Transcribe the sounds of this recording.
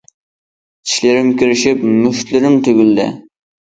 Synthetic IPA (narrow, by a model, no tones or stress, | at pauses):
t͡ʃʰi̥ʃlɪɾɪmkʲyɾɪʃɪpmyʃt̪lɪɾɪmt̪ʰøɡʲyld̪ɪ̰